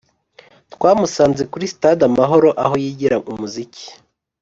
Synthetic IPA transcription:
twaːmusaːnzekuɾisi̥tadamaɦo̞ɾo̞ʔaɦo̞jiːɟiɾaumuzici̥

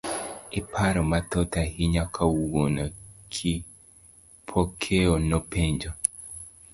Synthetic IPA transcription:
ipʰaɾɔmat̪ɔtahiɲakʰawonɔkʰi | pʰɔkʰeɔnɔpeɲd͡ʒɔ

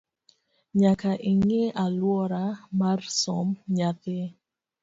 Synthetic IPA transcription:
ɲakaʔiŋeʔalwɔɾamarsɔmɲat̪ɪ

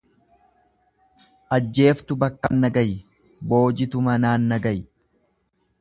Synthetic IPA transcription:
ʔɐd͡ʒːe̞ːft̪ʊbɐkːɐnːɐɡɐj | bo̞ːd͡ʒɪt̪ʊmɐnaːnːɐɡɐj

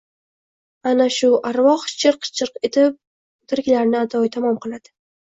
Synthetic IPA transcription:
anaʃʊʔaɾvɒχt͡ʃʰɨɾqt͡ʃʰɨɾqet̪ʰɪp̚ | t̪ʰɪɾkʲlaɾnɪat̪ʰɒjt̪ʰamɒmqɨlˠad̪̥ɪ̥

